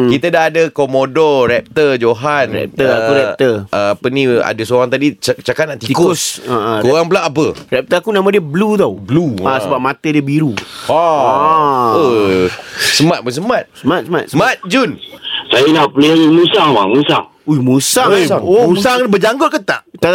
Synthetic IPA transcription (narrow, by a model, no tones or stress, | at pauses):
kit̪ədaɦadəkomodɔrɛp̚t̪əd͡ʒoɦanɾɛ̰p̚t̪əakuɾɛp̚t̪əʔəapənĩa̰dəsoɾaŋt̪adit͡ʃakanaʔt̪ikʊsaʔkoɣaŋpəlaʔapəɾɛp̚t̪əakunamãdiəblut̪awbluasəbap̚mat̪ədiəbiɾua | ə | səmat̪̚bəs̬əmat̪̚səmat̪̚səmat̪̚səmat̪̚d͡ʒunsajanaʔplemũsaŋwa̰mũsaŋ | uimusasaŋouusaŋbəd͡ʒaŋɡʊt̪̚kət̪aʔt̪a